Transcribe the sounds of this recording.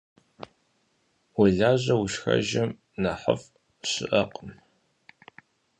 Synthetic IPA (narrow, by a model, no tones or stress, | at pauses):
wʊɮaːʑɐwʊʃxɐ̰ʒɐm | nɐħə̰f | ɕɪʔɐqəm